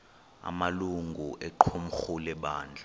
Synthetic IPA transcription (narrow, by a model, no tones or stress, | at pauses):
a̰maluŋɡʱuʔɛǃʰum̩xulɛɓaːnd͡ɮʱa